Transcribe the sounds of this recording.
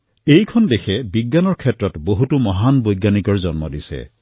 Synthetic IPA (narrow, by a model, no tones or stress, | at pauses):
ejkʰɔndekʰɛbiɡːanɔɹkʰɛtɹɔtboɦutumɔɦanbojɡːanikɔɹzɔnmɔ̰disḛ